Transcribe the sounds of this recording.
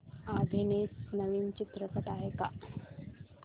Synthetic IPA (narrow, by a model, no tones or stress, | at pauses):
ad̪ʱinesnəʋiːnt͡ɕit̪ɾəkət̪aɦeka